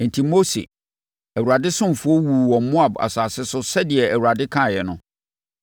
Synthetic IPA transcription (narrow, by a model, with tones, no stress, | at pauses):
n̩˨tʰi˨mo˦sḛ˨ | æ˨wu˨ɾa˨dɪ˦sʊ̃˦m˨fʊ˦ɔ˦wu˨wɔ̃˨mɔ̃˦a˨ba̰˨saː˨sɪ˦sʊ˦sɛ˦dɪ˨ɛ˨æ˨wu˨ɾa˨dɪ˦kʰã˦˨jɛ˨nʊ̃˦